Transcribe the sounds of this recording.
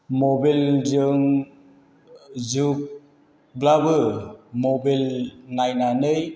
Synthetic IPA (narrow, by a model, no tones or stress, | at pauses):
mobelzɯŋ | zuk̚ | blabɯmobelnajnanɯj